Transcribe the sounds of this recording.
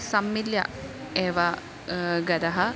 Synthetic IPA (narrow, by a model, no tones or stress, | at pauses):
sɐmːiljɐ̰ | eːʋɐ | ɡɐd̪ɐɦɐ